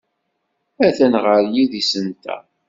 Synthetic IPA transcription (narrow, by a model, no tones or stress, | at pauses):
æθænʁəɾjiðisənt̪æ̰